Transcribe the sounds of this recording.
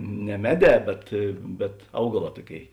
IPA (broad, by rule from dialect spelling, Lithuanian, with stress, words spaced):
nʲɛ ˈmʲæːˌdʲɛː ˈbʲɛt bʲɛt ˈɐʊɡɐˌlˠɑː ˈtuɔˌkʲeːɪ